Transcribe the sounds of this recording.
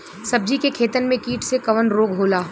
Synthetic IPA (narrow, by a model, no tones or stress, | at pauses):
sɐb̚d͡ʒikekʰeːt̪ənmẽkiːʈʰsekɐʋənɾoːɡɦoːlaː